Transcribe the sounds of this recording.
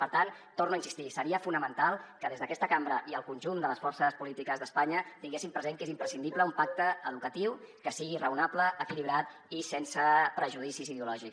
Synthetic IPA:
pəɾt̪ant̪ornuəinsist̪isəɾiəfunəmənt̪alˠkəðezðəkɛst̪əkambɾəʔiəlˠkunʲʒund̪ələsfɔrsəspulit̪ikəzðəspaɲət̪iŋɡesimpɾəzeŋkezimpɾəsind̪ipləumpak̚t̪əəðukət̪iwkəsiɣirəunapləəkiliβ̞ɾat̪ | isensəpɾəʒuðisiziðəulɔʒik

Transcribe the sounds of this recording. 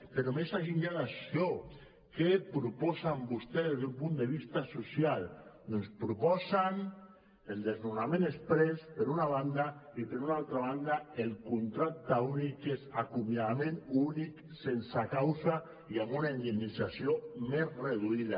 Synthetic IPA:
peɾomesaʒiɲʎaðasjo | kepɾupɔsambust̪ezðezðeumpund̪eβ̞ist̪asusjal | nonspɾupɔsan | eld̪eznunamẽnespɾespeɾunaβ̞and̪aipeɾunalˠt̪ɾaβ̞and̪aelkunt̪ɾak̚t̪aunikezakumjaðamẽnunik | sensakawsa | iambunaind̪enisasjomezreðuiða

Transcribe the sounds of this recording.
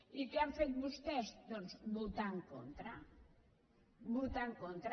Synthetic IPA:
ikeaɱfet̪̚βust̪ɛst̪ozbut̪aŋko̰nt̪ɾa | but̪aŋkont̪ɾ

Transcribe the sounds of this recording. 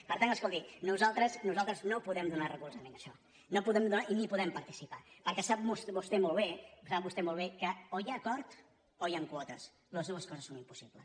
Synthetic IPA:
pəɾt̪anəskolˠt̪inuzalˠt̪ɾəznuzalˠt̪ɾəznopuðɛmd̪unarəɣuɾzəmenəʃɔ | nopuðɛmd̪unaʔinipuðɛmpəɾt̪isipapəɾkɛsap̚musbust̪ɛmolˠβesap̚bust̪ɛmolˠβekəojakɔɾt̪ | ojaŋkwɔt̪əs | ləzðuəskɔzəsːonimpusiβləs

